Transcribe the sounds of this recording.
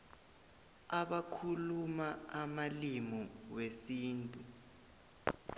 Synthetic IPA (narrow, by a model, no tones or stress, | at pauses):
aɓakʰulumaamalimɔwesiːntʼu